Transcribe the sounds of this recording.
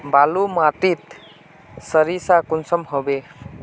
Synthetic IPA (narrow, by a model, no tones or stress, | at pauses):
balumat̪it̪ | səɾisakunsəmɦobe